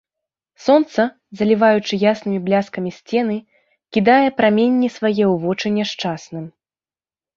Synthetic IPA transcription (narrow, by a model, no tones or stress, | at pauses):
sɔnt̪sɐ | zɐlʲivajut͡ʂɨjasnɨmʲiblʲaskɐmʲisʲt͡sʲɛn̪ɨ | kʲid̪ajɛpɾamʲenʲːisvajɛwvɔt͡ʂɨnʲɛʂt͡ʂasnɨm